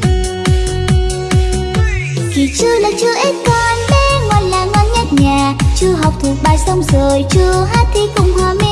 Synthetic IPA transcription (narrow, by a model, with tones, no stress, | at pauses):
ki˨˩t͡ɕɨ˧laː˨˩t͡ɕɨ˧ʔe˦˥t̚kɔ˧nɓe˧ŋa̰ː˧˨jlaː˨˩ŋɔ˧˨jɲa˧˥t̚ɲaː˨˩t͡ɕɨ˧ɦa˨˩wk͡p̚t̪ʰu˨˩ək̚ɓaː˨˩jsə˧wŋ͡mzəː˨˩jt͡ɕɨ˧əɦaː˧˥t̪ʰi˧˩kʊ̰˧˨ŋ͡mhwaː˧˩me˧